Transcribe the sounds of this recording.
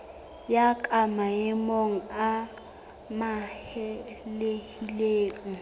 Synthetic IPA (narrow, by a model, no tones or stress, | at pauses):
jakʼamaɪmoŋ̩a | mahɛlehileːŋ̩